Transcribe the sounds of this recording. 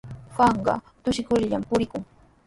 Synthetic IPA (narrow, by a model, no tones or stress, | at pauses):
xɑɴɢɑ̰ | t̪ʊʃɪkʊɾʎampʊɾɪkʊŋ